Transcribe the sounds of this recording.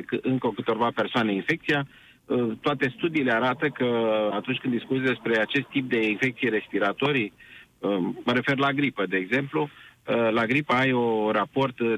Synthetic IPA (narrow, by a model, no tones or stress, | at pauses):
kɨɨŋkəokɨt̪o̞rvape̞rsoane̞infe̞k̚t̪sija | ət̪oat̪e̞st̪ud̪iːle̞aɾat̪əkəat̪unt͡ʃʲkɨnd̪iskut̪sʲd̪e̞spɾe̞at͡ʃe̞st̪ːip̚d̪e̞infe̞k̚t̪sijeɾe̞spiɾat̪o̞ɾiəməɾe̞fe̞rlaɡɾipəd̪e̞ːɡze̞mplulaɡɾipəajorapo̞rt̪